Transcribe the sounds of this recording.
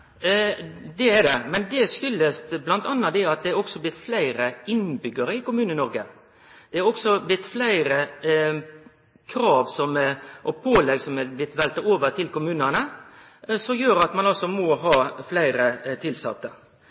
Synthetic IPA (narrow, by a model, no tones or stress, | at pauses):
d̪ɛæd̪ɛmɛnd̪ɛsʏlːəst̪blɑnt̪ɑnːɑd̪ɛɑt̪̚d̪ɛæɾɔksɔblɪt̪ːflæɪɾəɪnbʏɡəɾəɪkʊmʉːnəɪnɔɾɡə | d̪̥ɛæɾɔksɔblɪt̪ːflæɪɾə | kʰɾɑːʋsɔmʔɔpʰoːlɛɡsɔmɛblɪt̪ːʋɛlt̪əoːʋəɾt̪ʰɪlkʊmʉːnənə | sɔmjøːɾɑt̪mɑnɑlsɔmɔɦɑːflæɪɾət̪ʰɪlsɑ̰t̪ːə